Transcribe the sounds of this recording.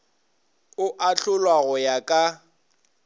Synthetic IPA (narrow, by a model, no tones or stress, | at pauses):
ʊʔaɬʊlwaɣɔjakʼa